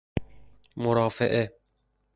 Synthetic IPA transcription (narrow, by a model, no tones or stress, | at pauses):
moɾɑːfeʔe